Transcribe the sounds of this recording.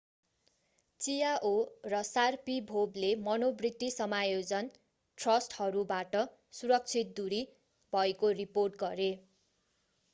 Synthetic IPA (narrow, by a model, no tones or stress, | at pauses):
t͡sijaʔorʌsarpibʱoblemʌnobrit̪ːisʌmajod͡zʌn | ʈrʌsʈhʌɾubaʈʌ | suɾʌk̚t͡sʰit̪̚d̪uɾi | bʱʌekoriporʈ̚ɡʌɾe